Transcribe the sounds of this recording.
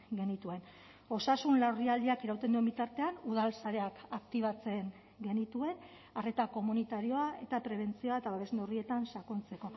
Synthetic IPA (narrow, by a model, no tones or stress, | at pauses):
ɡe̞nit̪ue̞n | o̞sasunlawriald̪iakeɾawt̪e̞nd̪uembit̪aɾt̪e̞anuð̞alsaɾe̞akakt̪iβ̞at͡se̞ŋ | ɡe̞nit̪ue̞n | are̞t̪ako̞munit̪aɾio̞ae̞t̪apɾe̞β̞e̞nt͡sio̞aet̪aβaβe̞snorie̞t̪ansakont͡se̞ko̞